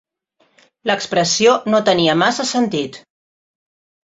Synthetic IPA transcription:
ləkspɾəsionot̪əniəmasəsənt̪it̪

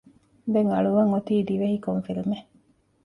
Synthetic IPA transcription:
d̪eŋɐɭuʋɐŋot̪iːd̪iʋeɦikoɱfilime

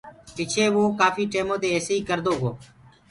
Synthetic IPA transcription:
pɪt͡ʃʰeːʋõːkaːfiːʈeːmoːd̪eːeːseːiːkəɾd̪oːɡoː

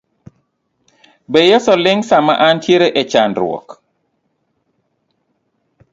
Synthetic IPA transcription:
bejesɔlɪŋsama̰ʔantjeɾeʔɛt͡ʃandɾwɔ̰k

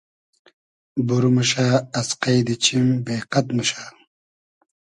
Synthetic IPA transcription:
buɾmuʃaːɐsqajd̪it͡ɕʰimbeːqɐt̪muɕaː

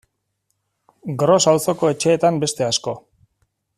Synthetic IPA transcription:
ɡɾo̞sawso̞ko̞e̞t͡ʃe̞ːt̪ambe̞st̪e̞asko̞

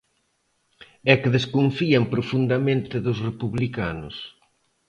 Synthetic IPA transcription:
ɛkɪðeskoɱfiɐmpɾofund̪amẽnt̪ɪðʊsrepuβlikanʊ̰s

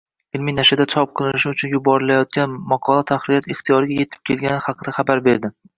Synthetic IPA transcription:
ɪlmijnaʃad̪at͡ʃʰɒp̚qʰɨlˠɪnɪʃɪʊt͡ʃʰʊnjʊbɒɾɪlajɒt̪̚kʲanmɒqʰɒlˠat̪ʰaχɾɪjɒt̪ɪχt̪ʰijɒɾɪɡʲaje̞t̪ʰɪ̥p̚kʲʰe̞lɡʲanɪχɑqɨd̪aχabaɾbe̞ɾd̪ɪ

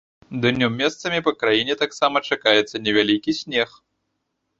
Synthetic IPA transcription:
d̪ɨnʲɔmʲːɛst̪sɐmʲipɐkɾajinʲɛt̪aksamɐt͡ʂakajɛt̪sɐnʲɛvʲalʲikʲisʲnʲɛx

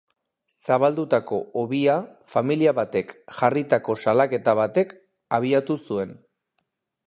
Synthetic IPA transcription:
saβald̪ut̪ako̞oβiafamiliaβat̪e̞kʝarit̪ako̞salake̞t̪aβ̞at̪e̞k | aβ̞iat̪usue̞n

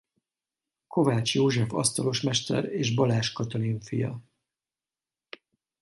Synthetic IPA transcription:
kʰo̞vaːt͡ʃjoːʒɛfɒ̰st̪ɒlo̞ʃmɛʃt̪ɛ̰ɾeːʒbɒlaːʃkɒt̪oliɱfḭjɒ̰

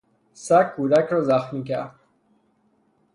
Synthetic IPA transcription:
sakʰːuːd̪akɾɔzaxmik̬a̰

